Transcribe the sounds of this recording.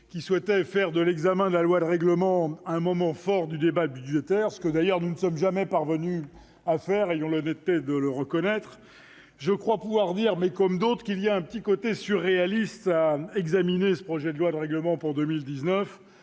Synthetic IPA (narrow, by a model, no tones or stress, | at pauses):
kʲiswɛt̪ɛfɛʁd̪əlɛɡzamɛ̃d̪əlalwad̪əʁɛɡləmɑ̃ɛ̃mɔmɑ̃fɔʁd̪yd̪ebabydʒet̪ɛʁsə̥kəd̪ajœʁnunəsɔmʒamɛpaʁvəny | afɛʁejɔ̃lɔnɛt̪ːed̪ələʁəkɔnɛt̪χ | ʒəkχwapuvwaʁd̪iʁmɛkɔmd̪ot̪χəkilijaɛ̃pət̪ikot̪esyʁːealist̪aɛɡzaminesə̥pχɔʒɛd̪əlwad̪əʁɛɡləmɑ̃puʁd̪ømild̪iznəf